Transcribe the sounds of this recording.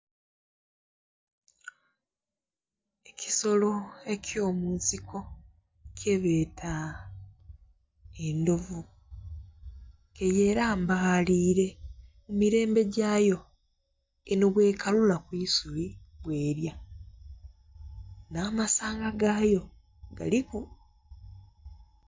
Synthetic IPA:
eci̥so̞lo̞e̞cjo̞ːmuːnsikʰo̞ | cʰe̞βeːtʰa | endo̞vu | kejeːɾaːmbaaliːɾe̞ | mumiɾe̞ːmbe̞ɟaːjo̞ | enoβwe̞ːkalulakwiːsuɾiβwe̞ːɾja | naːmasaːŋɡaɡaːjo̞ | ɡa̰liku

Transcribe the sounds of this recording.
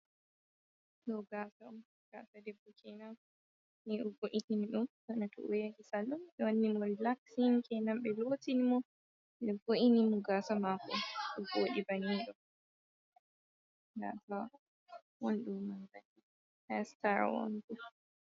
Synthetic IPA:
ɗɔɡasaɗum | ɡ̥a̰sadɛbɔkʰɛnam | niʔɔvoʔininiɗumsɔnatʰɔ̰ʔwɛɡisalumɓɛwanːimɔɾilaksiŋkʰɛnamɓɛlotinimɔ | dɛvoʔinimɔɡasamakɔɔɡoːɗibaniɗɔ | ɡa̰saw | wonɗumːanzani | hɛstaɾa̰wo̰nɗu

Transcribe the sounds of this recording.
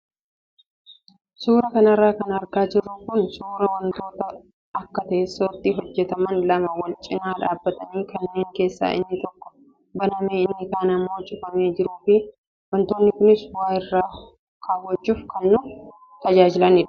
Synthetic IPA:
suːɾɐkɐnɐrːaːkɐnɐɾɡaːd͡ʒɪrːʊŋkʊnsuːɾɐwɐnt̪o̞ːt̪ɐ | ɐkːɐt̪ɐʔɛsːot̪ːɪɦɔd͡ʒːɛt̪ɐmɐnlɐmɐwɐlt͡ʃʼɪnaːᶑaːbːɐt̪ɐniːkɐnːe̞ːŋke̞ːsːa̰ːʔɪ̰nːɪt̪ɔkːɔ̥ | bɐnɐmeːɪnːɪkaːnɐmːoːt͡ʃʼɪfɐme̞ːd͡ʒɪɾuːfɪ | wɐnt̪o̞ːnːɪkʊnɪswaːjɪrːaː | kʰaːwɔt͡ʃːuːfkɐnːʊ | t̪ɐd͡ʒaːd͡ʒɪlɐnɪᶑɐ̥

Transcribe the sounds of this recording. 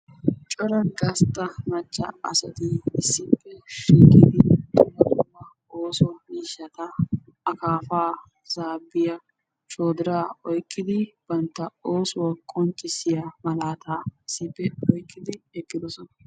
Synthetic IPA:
t͡ʃʼɔɾɐnɡɐst̪ʼːɐmɐt͡ʃʼːɐ̰ɐ̰sɐt̪ɪɪsːɪpːɛʃiːkɪd̪ɪt̪ʼʊlɐkʊmːɐ | oːsmiːʃːɐt̪ɐː | kaːfaː | z̥aːbːɪjɐ | t͡ʃʼoːd̪ɪɾaːɔjkʼːɪd̪ɪb̥ɐnt̪ːɐoːsɔwɔkʼɔnt͡ʃʼɪsɪjamɐlaːt̪aːɪsːɪpːɛɔjkʼːɪd̪ɪɛkʼːɪd̪ɔsɔnɐ

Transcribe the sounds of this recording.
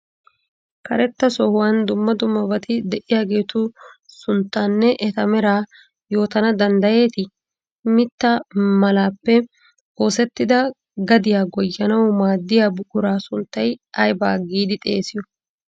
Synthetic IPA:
kɐɾɛt̪ːɐsɔhʊwand̪ʊmːɐd̪ʊmːɐbɐt̪ɪd̪ɛʔɪjaːɡe̞ːt̪ʊsʊnt̪ːaːnːɛʔɛt̪ɐmɛɾaː | jo̞ːt̪ɐnɐd̪ɐnd̪ɐje̞ːt̪ɪ | mɪt̪ːɐmɐlaːpːɛ | o̞ːsɛt̪ːɪd̪ɐ | ɡɐd̪ɪjaːɡɔjːɐnɐwmaːd̪ːɪjaːbʊɡʊɾaːsʊnt̪ːɐjɐjbaːɡiːd̪ɪt̪ʼe̞ːsɪjɔ

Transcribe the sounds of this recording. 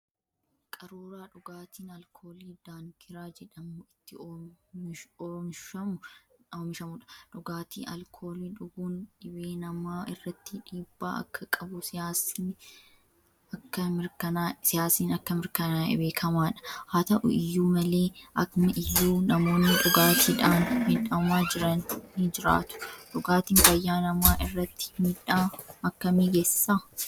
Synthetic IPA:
kʼɐɾuːɾaːᶑʊɡaːt̪iːnɐlkʰo̞ːliːd̪̥aːŋkʰɪɾaːd͡ʒɛᶑɐmːɪt̪ːɪ | ɔɾɔnʃɐmʊoːmɪʃɐmʊᶑɐ̥ᶑʊɡaːt̪ḭːɐ̰lkʰo̞ːliːᶑʊɡuːnᶑɪbeːnɐmaːɪrːɐt̪ːɪᶑiːb̥ːa̰ːɐ̰kːɐkʼɐbʊsɪaːsɪn | ɐkːɐmɪɾkɐnaːsɪjaːsiːnɐkːɐmɪɾkɐnaːɪ̰be̞ːkʰɐmaːᶑɐ̥haːt̪ɐʔʊ̰ɪjːuːmɐle̞ːʔɐkmɐʔɪjːuːnɐmo̞ːnːɪᶑʊɡaːt̪ʰiːᶑaːnmɪᶑɐmaːd͡ʒɪɾɐnnid͡ʒɪɾa̰ːt̪ʊ̥ᶑʊɡaːt̪iːŋfɐjːaːnɐmaːʔɪrːɐt̪ːɪ̥miᶑaːɐkːɐmiɡesːaː

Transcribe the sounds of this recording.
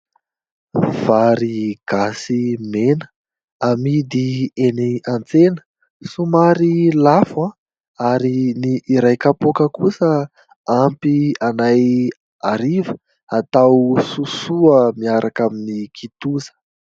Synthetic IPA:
v̥aɾiɡ̥asimenə̥ | amid̪ieniant͡senə̥ | sumaɾilafa | aɾiniʔːɾajkapokəkusə | ampianaj | aɾivə | at̪awsusuəmiaɾʔakaminikʰit̪uzə̥

